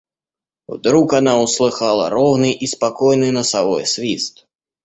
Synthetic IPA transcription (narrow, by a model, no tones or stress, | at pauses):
wd̪ɾukanauslˠɨxalˠɐ̰ɾɔwnɨjʔispakɔjnɨnɐsavɔjsʲvʲist̪